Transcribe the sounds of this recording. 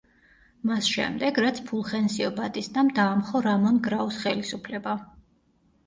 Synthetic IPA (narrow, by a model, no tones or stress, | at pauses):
masʃɛ̰md̪ɛɡɾat̪sʰpʰulˠχɛnsiɔbad̪ʼisd̪amd̪aːmχɔɾamɔnɡɾausχɛlisupʰlɛba